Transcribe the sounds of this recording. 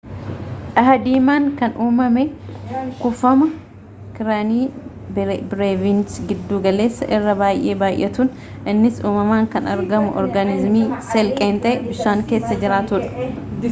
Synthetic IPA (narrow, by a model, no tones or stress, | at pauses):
ʔɐɦɐd̪iːmaːŋkɐnuːmɐmekʊfɐmɐ | kɪɾaniː | bɾeːvint͡ʃɡɪd̪ːuːɡɐle̞ːsːɐʔɪrːɐbaːjʔe̞ːbaːjʔɛt̪uːn | ʔɪnːɪsuːmɐmaːŋkɐnɐɾɡɐmʊʔɔ̰ɾɡɐnɪzmiːsɛlkʼeːnt̪ʼɐbɪʃaːŋke̞ːsːɐd͡ʒɪɾaːt̪ʊːᶑɐ̥